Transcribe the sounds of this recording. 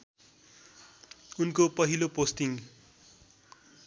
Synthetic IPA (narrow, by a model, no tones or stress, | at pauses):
unkopʌɦilopost̪iŋ